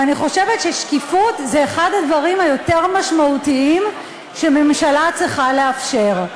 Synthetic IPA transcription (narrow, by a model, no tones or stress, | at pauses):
aniχo̞ʃe̞vetʃeʃkifutzeːχadadvɐʁimhajo̞teʁmaʃmautiim | ʃeme̞mʃalat͡sʁiχaleafʃe̞ʁ